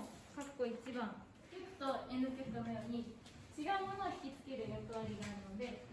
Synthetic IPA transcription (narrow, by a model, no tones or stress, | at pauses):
kakɯ̥kːo̞it͡ɕibãŋ | kʲekt̪oenɯkʲekɯ̥t̪ono̞jo̞ːɲ̟i | t͡ɕiɡaɯ̟mo̞no̞ːçʲi̥kʲit͡sɨ̥ke̞ɾɯ̟jakɯ̟βaɾʲiɡanaɾɯno̞d̪e̞